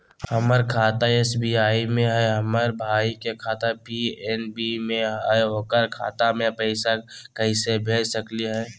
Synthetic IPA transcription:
hɐməɾkʰaːt̪aeːsbiaːimẽɦɛɦɐməɾbʱaːikekʰaːt̪apienbimẽɦɛokəɾkʰa̰ːt̪amẽpəɪsakəɪsebʱeːd͡ʒsəkliɦɛː

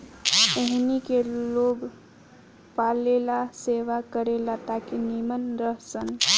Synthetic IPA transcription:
eɦnikeloɡ | palelaseʋakəɾelat̪akenimənɾəɦsən

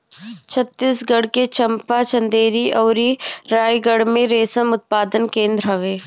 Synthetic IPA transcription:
t͡ʃʰət̪ːiːsɡɐɽket͡ʃɐ̃mpat͡ʃə̃nd̪eːɾiʔɔːɾiɾaːjɡəɽmẽɾeːsəmʊt̪̚paːd̪ənkẽːnd̪ɾɦɐʋeː

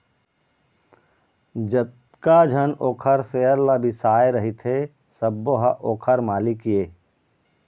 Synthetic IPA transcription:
d͡ʒət̪ | kad͡ʒʱənoːkʰəɾseːəɾlabʱisaːeɾɐɦit̪ʰe | səbːoɦaʔoːkʰəɾmaːlikjeː

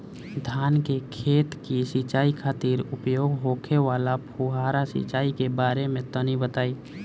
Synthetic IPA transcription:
d̪ʱjaːnkekʰeːt̪kisit͡ʃaːikʰaːt̪iːɾʊpjoːɡɦoːkʰeʋaːlapʰuɦaːɾasḭt͡ʃaːikebaːɾemẽt̪ənibət̪aːiː

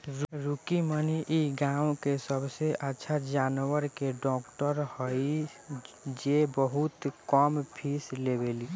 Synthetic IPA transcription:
ɾɾukiməniʔiɡãwkesəbseʔətːʃʰad͡ʒaːnwəɾkeɖɔːkʈəɾhoi | d͡ʒebəɦut̪kɔːmpʰislebeli

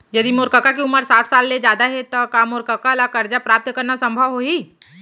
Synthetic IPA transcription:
jɐd̪imoːɾkəkak̬euməɾsaːʈʰsaːlːed͡ʒjaːd̪aɦɛt̪okaːmoːɾkəkalakɐɾd͡ʒapɾaːp̚t̪kɐɾnasɐ̃mbʱəʋɦoi

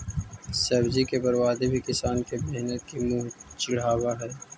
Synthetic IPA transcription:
sɐbzikebɐɾwaːd̪ebʱikɪsaːnkebeɦnət̪̚kimuːɦt͡ʃɪɽ̤aːwaɦɛː

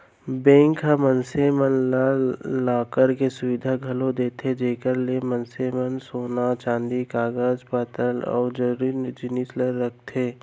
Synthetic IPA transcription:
bẽːŋkɦãmənseːmənlalaːkəɾkesʊʋɪd̪ʱaɡʱɐlõd̪eːt̪ed͡ʒeːkəɾlemənseːmənsoːnat͡ʃãːnd̪ikaːɡəzpət̪əlɔ̰ːɾd͡ʒəɾɾinɪd͡ʒɪnisləɾːək̚ʰt̪ʰeː

